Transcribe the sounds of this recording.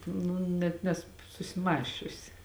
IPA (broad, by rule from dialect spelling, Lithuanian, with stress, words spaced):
ˈnʊ nʲɛt ˈnʲæːsʊ sʊsʲɪˈmɑːsʲt͡ʃʲʊsʲɪ